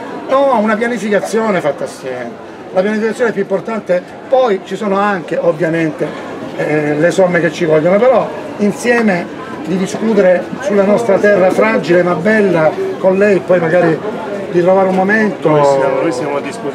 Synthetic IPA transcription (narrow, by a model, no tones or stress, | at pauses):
nɔunapjanifikat̪sːjoːnefat̪ːaːsːjɛːme | lapjanifikat̪sjoːnɛpjuimport̪ant̪e | pɔjt͡ʃisoːnoaŋk̟eʔovːjament̪e | lesomːek̟et͡ʃːivɔlːɡonopeɾɔ | insjɛːme | d̪id̪iskuːt̪eɾe | sulːanɔst̪ɾat̪ɛrːafɾad͡ʒilemabːɛlːakonlɛjɛpːɔjmaɡaːɾi | d̪it̪ɾovaːɾeummoment̪oojsjamad̪isu